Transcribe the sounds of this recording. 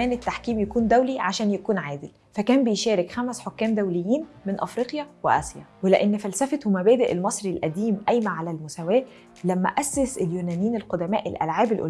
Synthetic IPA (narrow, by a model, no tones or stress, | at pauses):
æːnet̪ːaħkiːmjækuːnd̪æwliʕaʃæːnjækuːnʕaːd̪ɪl | fækæːmbejʃæːɾekxæmæsħokːæːmd̪æwlejːiːnmenʔɑfɾiːqjæweʔɑ̰sjæ̰weleʔenːfælsæfet̪wmæbæːd̪eʔelmɑsˤɾilʔæd̪iːmʔæjmæʕalælmosæwæːʔ | læmːæ̰ʔæsːeseljuːnæːnjiːnelqod̪æmæːʔelʔæ̰lʕaːbelʔo̰l